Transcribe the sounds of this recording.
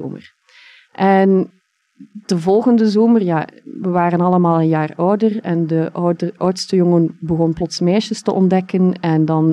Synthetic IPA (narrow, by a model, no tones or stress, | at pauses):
o̰ːmə̰r | ʔɛn | d̥əvɔlˠɣəndəzoːmərjaːʋəʋaːrənɑlˠəmaːlˠənjaːrɔwdərɛ̰ndəʔɔwtstəjɔŋənbəɣɔnplɔtsmɛːʃəstə̰ʔɔndɛkənɛndɑn